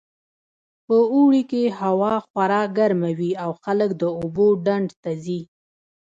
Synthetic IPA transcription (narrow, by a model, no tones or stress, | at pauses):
pəuɽikehawɑxwaɾɑɡaɾmawiawxaləkd̪əoboɖaɳɖt̪azi